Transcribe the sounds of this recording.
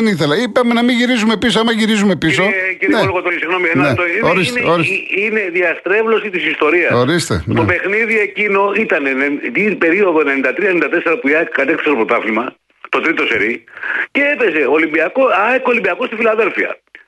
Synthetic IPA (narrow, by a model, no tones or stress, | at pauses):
niθe̞lɐipɐme̞nɐmiʝiɾizume̞pisoɐmɐʝiɾizume̞piso̞ciɾineoloɣot̪oisiɣno̞mienɐet̪oioɾisineoɾisine̞ðiɐst̪ɾe̞vlo̞sit̪isist̪o̞ɾiɐsoɾist̪ḛt̪o̰pe̞xniðie̞cino̞it̪ɐnenet̪ipe̞ɾio̞ðoenenind̪ɐt̪ɾiɐenind̪ɐt̪e̞se̞ɾɐpuiɐkɐt̪ekθseopɾot̪ɐfimɐ | t̪o̞t̪ɾit̪o̞sḛɾice̞epe̞se̞olimbiɐkoɐekolimbiɐkost̪ifilɐðe̞lfiɐ̰